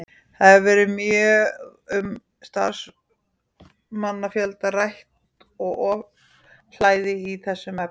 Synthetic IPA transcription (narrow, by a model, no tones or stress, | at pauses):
θaðɛvɛːɾɪmjœ | ʏm | st̪a̰ɾs | manːafjɛlt̪arajht̪ | ɔɣɔ | l̥aːjðɪiθɛsːʏmɛ